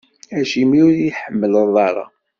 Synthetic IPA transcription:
æʃimiʊɾiħəmːələðˤɑɾˤɑ̰

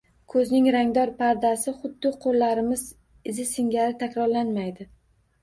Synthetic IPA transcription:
kʰɵznɪŋɾaŋd̪ɒɾpʰaɾd̪asɪχʊd̪ːɪqʰolːaɾɪmɪz | ɪzɪsɪŋɡʲaɾɪt̪ʰakʲɾɒɾlanmajd̪ɪ

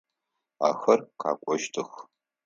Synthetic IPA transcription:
a̰ːxɐrqʰa̰ːkʷʼɔʃtʰɨx

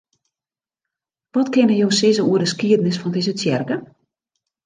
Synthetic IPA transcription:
ʋɔtkɪnəjowsɪzəuədəskiədənɪsfɔndɪzətjɛrkə

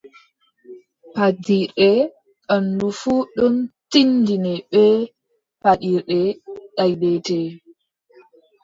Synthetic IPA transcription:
padiɾɛ | ɗandufuɗɔntindinɛɓɛ | paɗiɾɗɛɗajdɛtɛ

